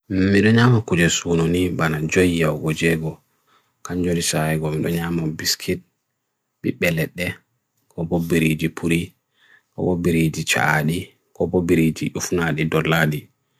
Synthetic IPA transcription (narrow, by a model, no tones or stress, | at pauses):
miɗɔɲaːmakud͡ʒɛsuːnonibanad͡ʒɔjjawɡɔd͡ʒɛɡɔ | kaɲd͡ʒoɾisaɛɡɔmiɗɔɲamabiskʰit̚ | ɓiɓɛlɛɗːɛ | kʰɔbɔbiɾid͡ʒipʰuɾi | kɔ̰bɔbiɾid͡ʒit͡ʃa̰aɗi | kɔbɔbiɾid͡ʒiʔufnaɗidɔlːaɗi